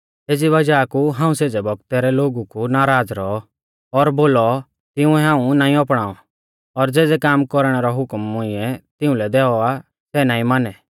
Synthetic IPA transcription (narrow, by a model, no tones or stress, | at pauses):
eːd͡ziβɐd͡ʒaːkuɦãːũseːd͡zɛbɔɡt̪ɛɾɛloːɡukunaːɾaːd͡zɾɔɔ | ɔɾboːlɔ | t̪ɪũɛɦãːũnaːĩɔpɽ̃aːɔ | ɔɾd͡zɛːd͡zɛkaːmkɔɾɽ̃ɛɾɔɦʊkmːʊɪ̃ɛt̪ɪ̃ũlɛd̪ɛːɔa | sɛːnaːĩmanɛ